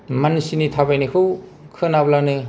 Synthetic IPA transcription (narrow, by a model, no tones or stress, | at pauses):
mansinitʰabajnikʰɯwkʰɯnablanɯ